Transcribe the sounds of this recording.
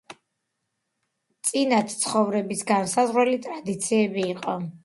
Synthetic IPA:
t̪sʼinat̪ʰt̪sʰχɔvɾɛbisɡansazʁwɛlit̪ʼɾad̪it̪sʰiɛbiːqʼɔ

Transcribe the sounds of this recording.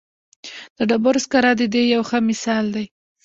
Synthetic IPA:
d̪̥əɖabʊɾskaɾɑd̪əd̪ejawxəmɪsɑld̪aj

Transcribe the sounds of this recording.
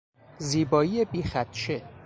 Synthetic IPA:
ziːbɒːiːjebiːxæt̪t͡ʃʰe

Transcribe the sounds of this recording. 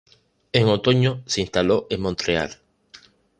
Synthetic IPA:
eŋot̪oɲoseinst̪aloʔemmõnt̪ɾea̰l

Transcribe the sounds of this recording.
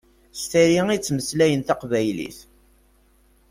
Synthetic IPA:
st̪iɾiŋit͡sːməslæjənt̪æqvæjlḭθ

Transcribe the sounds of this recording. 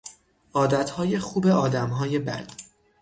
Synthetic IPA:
ɒːd̪æt̪ʰhɒːje̞xuːbe̞ɒːd̪æmɦɒːje̞bæ̰d̪̥

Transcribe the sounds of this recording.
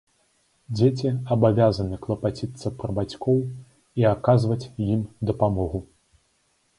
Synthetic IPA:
d͡zʲet͡sʲiɐbavʲazɐnɨklˠɐpat͡sʲit̪sɐpɾɐbat͡sʲkʰɔw | iakazvɐt͡sʲjimd̪ɐpamɔɣu

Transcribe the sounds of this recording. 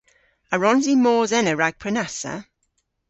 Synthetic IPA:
əɹɔnzimɔːzɛnəɹaɡ̥̚pʰɹɛnasə̰

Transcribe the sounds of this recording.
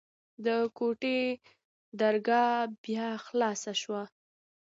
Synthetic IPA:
d̪əkoʈe | d̪aɾɡɑbjɑxlɑsaʃwa

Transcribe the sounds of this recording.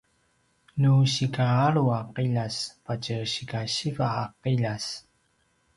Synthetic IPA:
nuɕikaaɾuaqiʎaspacəɕikaɕivaːqiʎas

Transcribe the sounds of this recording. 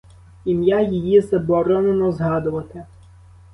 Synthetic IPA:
imjajijizɐbɔɾɔnenɔzɦɑd̪ʊʋɐt̪ɪ

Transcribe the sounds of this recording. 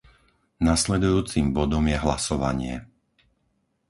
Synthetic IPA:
naslɛd̪ujuːt͡simbɔd̪ɔmjɛɦlasɔʋa̰ɲɪɛ̰

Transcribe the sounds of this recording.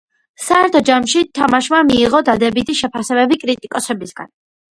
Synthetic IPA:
saɛɾt̪ʰɔd͡ʒamʃit̪ʰamaʃmamiːʁɔd̪ad̪ɛbit̪ʰiʃɛpʰasɛbɛbikʼɾit̪ʼikʼɔsɛbisɡ̥a̰n

